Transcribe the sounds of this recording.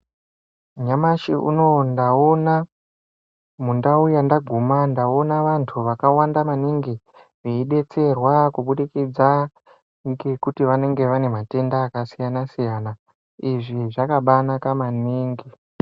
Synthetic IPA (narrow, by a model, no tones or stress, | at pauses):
ɲamaʃiʔṵno̞ndao̞na | mundaujandaɡʱumandao̞naʋantʰuʋakawandamaniŋɡi | riiɗe̞t͡se̞rwakuɓuɗikid͡za | ŋɡekutiʋane̞ŋɡe̞ʋane̞mate̞ndaːkasijanasijana | iʐiʐakaɓanakamaniːŋɡi